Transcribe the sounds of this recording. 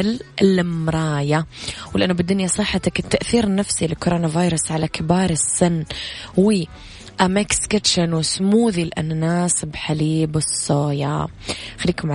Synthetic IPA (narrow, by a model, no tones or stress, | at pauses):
lɪlɪmɾˤɑːjawlʔanːʊbɪd̪ːʊnjasˤɨħːat̪akɪt̪ːaʔθiːɾnafsilɪkoɾˤoːnavaːjɾˤʊsʕalakɪbɑːɾˤɪsːɪnːwi | ʔamekskɪt̪ʃanwɪsmuːðilʔa̰nːanaːsɪbħaliːbɨsˤːoːjaxalːiːkʊmʕa